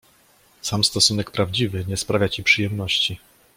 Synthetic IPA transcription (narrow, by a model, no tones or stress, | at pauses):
samst̪ɔsunɛkpɾavd͡ʑivɘɲɛspɾavʲjat͡ɕipʂɘjɛmnɔɕt͡ɕi